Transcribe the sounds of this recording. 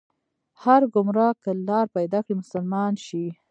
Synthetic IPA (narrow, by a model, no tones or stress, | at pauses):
haɾɡʊmɾɑkːəlɑɾpajd̪ɑkɽimʊsʊlmɑnʃi